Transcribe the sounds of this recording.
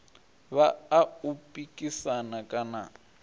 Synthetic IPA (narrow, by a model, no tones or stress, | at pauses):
βaːupʼikʼisanakʼana̰